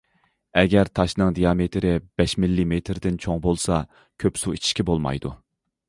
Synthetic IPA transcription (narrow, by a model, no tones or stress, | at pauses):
ɛɡʲɛɾt̪ʰɑʃnɨŋd̪ijɑmet̪ʰɾɪb̥ɛʃmɪlːimet̪ʰɾd̪ɪnt͡ʃʰoŋbolˠsɑ | kʲʰøpsuit͡ʃʰi̥ʃkʲɛbolˠmɑ̰jd̪u